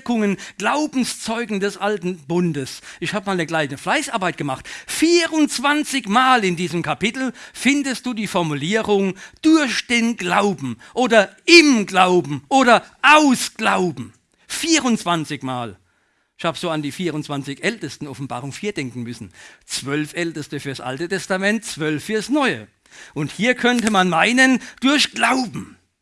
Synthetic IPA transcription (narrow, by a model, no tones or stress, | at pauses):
kʊŋənɡ̥laʊbn̩st͡sɔʏɡŋ̩dɛsʔaltn̩bʊndəsʔɪçhaːbəmaːlnəɡlaɪçnəflaɪsʔaɐbaɪt̚ɡ̥əmaχtfiːʁʊnt͡sv̥ant͡sɪçmaːlɪndiːzəmkʰapɪtl̩fɪndəst̚d̥uːdiːfɔɐmuliːʁʊŋd̥ʊɐçd̥eːnɡlaʊbm̩ʔoːdɐʔɪmɡlaʊbm̩ʔoːɾɐʔaʊsɡ̥laʊbm̩ | fiːʁʊnt͡sv̥ant͡sɪçmaːl | ɪçhaːbəz̥oːandiːfiːʁʊntt͡sv̥ant͡sɪçʔɛltəstn̩ɔfn̩ba̰ːʁʊŋfiːɐdɛŋkŋ̩mʏsn̩t͡sv̥œlfʔɛltəstəfyːɐsʔa̰ltətʰɛstamɛnt̚t͡sv̥œlfːyːɐsnɔʏə̰ | ʔʊnthiːɐkʰœntəmanmaɪnənd̥ʊɐçɡ̥laʊbm̩